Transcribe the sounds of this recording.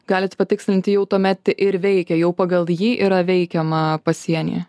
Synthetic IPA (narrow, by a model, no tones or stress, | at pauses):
ɡɑːlʲɪt̪pɐt̪ʲɪksʲlʲɪnʲt̪ʲɪjɛʊt̪uɔmʲɛt̪ʲtʲɪʔɪɾʋʲɛɪkʲɛjɛʊpɑːɡɐlˠjiːʔiɾɐʋʲɛɪkʲɛmɐpɐsʲiɛnʲḭː